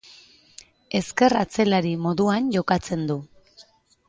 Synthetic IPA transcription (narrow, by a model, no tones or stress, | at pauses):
e̞ske̞rat͡se̞laɾimo̞ðuanʝo̞kat͡se̞nd̪u